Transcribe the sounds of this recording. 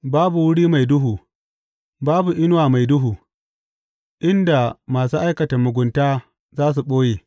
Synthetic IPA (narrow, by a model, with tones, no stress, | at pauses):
baː˦bu˨wʊ˦ɽiː˦ma˨jdʊ˦ɦuː˨ | baː˦bu˨ʔɪ˦n˦waː˨ma˨jdʊ˦ɦuː˨ | ʔɪ˦nda˨maː˨suː˦ʔa˦jkɐ˨ta˨mʊ˨ɡʷʊ˨ntaː˦ | zaː˦s̬u˨ɓoː˦jeː˨